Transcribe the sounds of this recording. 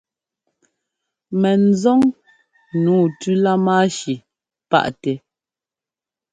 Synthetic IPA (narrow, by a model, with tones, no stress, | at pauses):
mɛ˨n̩˨˦zɔ˦ŋ | nuː˨˦˨tʉ˦la˦ma˦ʃi˨ | pa̰˦˨ʔtɛ˨